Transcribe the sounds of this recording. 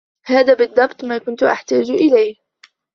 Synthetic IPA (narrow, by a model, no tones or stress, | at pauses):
haːðaːbɪd̪ˤːɑbt̪ˤmaːkʊnt̪ʊʔa̰ħt̪aːd͡ʒʔɪlaj